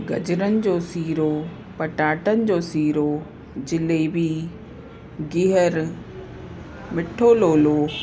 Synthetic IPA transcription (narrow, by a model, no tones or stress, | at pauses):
ɡɐ̰d͡ʑɾənɪ̆d͡ʑoːsiːɾo | pɐʈaːʈənɪ̆d͡ʑoːsiːɾo | d͡ʑɪlebʱi | ɡɪɦəɾ | mɪʈʰoːloːloː